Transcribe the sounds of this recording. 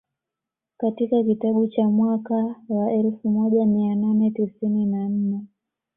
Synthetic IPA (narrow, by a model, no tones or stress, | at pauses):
katikakitaɓut͡ʃamwakawaɛlfumɔʄamiananɛtisininan̩nɛ